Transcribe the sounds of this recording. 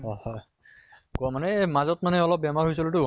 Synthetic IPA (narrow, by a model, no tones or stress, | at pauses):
ɔhɔ | kmanɛmazɔtmanɛɔlɔp̚bɛmaɹɦojsilotʊ